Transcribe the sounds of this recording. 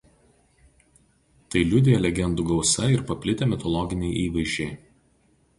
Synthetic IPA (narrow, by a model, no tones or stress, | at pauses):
t̪ɐɪlʲʊd̪ʲejɛlʲɛɡʲɛnd̪uɡɒʊsɐɪɾpɐpʲlʲɪt̪ʲemʲɪt̪ɔlˠɔɡʲɪnʲɛɪʔiːʋɐɪʒʲd͡ʒʲɛɪ